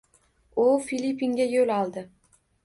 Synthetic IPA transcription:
ʊfilʲipʰːiŋɡʲajolɒlˠd̪ɪ

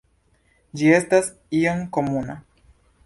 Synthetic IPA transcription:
d͡ʒie̞stas | ioŋko̞muna̰

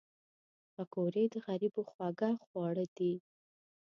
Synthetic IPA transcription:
pakoɾed̪əɣaɾiboxwaɡaxwɑɽəd̪i

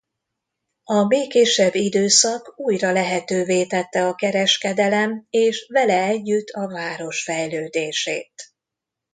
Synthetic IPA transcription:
ɒmeːkeːʃɛbːid̪øːsɒkuːjrɒlɛɦɛt̪øːveːt̪ɛt̪ːɛɒkɛɾɛʃkɛd̪ɛlɛmeːʃvɛlɛɛɟːyt̪ʰːɒvaːɾo̞ʃfɛjløːd̪eːʃḛːt̪

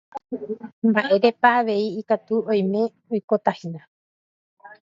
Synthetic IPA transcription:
mbaʔe̞ɾe̞paʋe̞iikat̪uõj̃mẽ̞ | ojkot̪ahinã

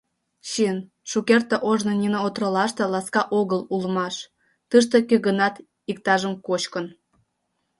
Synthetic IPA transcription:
ɕin | ʃukert̪eʔoʒnonʲinəot̪rəlɑʃt̪ĕlɑskɑʔoɣəlulmɑʃ | t̪ɨʃ̬t̪ekøɣənɑt̪ | ikt̪ɑʒəmkot͡ɕkən

